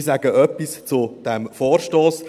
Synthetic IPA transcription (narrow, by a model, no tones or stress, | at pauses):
saɡəʔœpːist͡sud̥ɛmfɔːɾʃtoːs